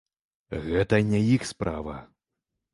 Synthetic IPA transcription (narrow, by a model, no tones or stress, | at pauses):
ɣɛt̪ɐnʲajixspɾʔavɐ